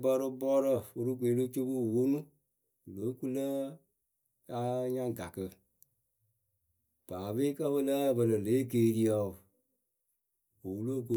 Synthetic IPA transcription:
bɔ˧ɾə˧bɔː˦ɾə˦˨fo˦ɾu˦k̬ʷeː˨˦lo˦t͡ʃo˦bu˦˨wo˦nũ˦˨ | lo˨˦ku˦lə˦ | a˦ɲã˦ŋ˨ɡa˨kə˧ | b̥aː˨be˦kə˦bə˦lə˦˨bə˧lə˨le˨˦keː˦˨ɾi˦ɔ˨ | o˨wu˦lo˦k̬u˦

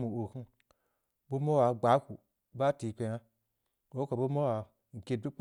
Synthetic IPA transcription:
mu˨o˨ku˦ | bu˦mo˦wa˨ɡ͡ba˨˦ku˨ | ba˦ti˨k͡pe˧na˦ | bo˦ka˨bu˦mo˦wa˨ | ŋ̩˨ke˦du˦k͡p

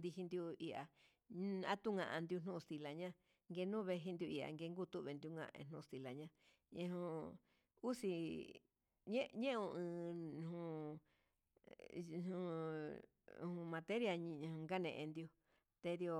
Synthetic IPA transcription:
nd̪i˧hi˧nd̪ju˧i˧ʔa̰˨ | a̰˦t̪u˦ŋã̰˧ʔã̰˧nd̪ju˧n̥nũ˦˧st̪i˧la˨ɲã˦ | ŋɡe˧nũ˦βe˧ɦi˧nd̪ju˧i˧a̰˨ŋɡe˧ŋɡu˦˧t̪u˦˧βe˧nd̪ju˧ŋã̰˧ʔḛ̃˧n̥ũ˧st̪i˧˨la˨ɲã˧ | ḛ̃˧ɦũ˧ | u˦si˧ | ɲẽ˦ɲẽ˦˧ũ˧ɨ̃˧hũ˧ | nũ˧ | hũ˧mã˧t̪e˦ɾja˧ɲ˧ũ˧ŋɡa˦nḛ̃˧ʔẽ˧nd̪ju˧ | t̪e˧d̪i˧o˧

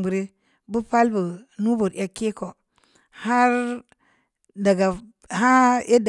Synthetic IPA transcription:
bu˨ɾe˦ | bu˦pa˦lbu˨nu˦bu˨ɾja˦ke˦ko˨ | ha˦ɾ | da˨ɡa˨ | ha˦e˦d

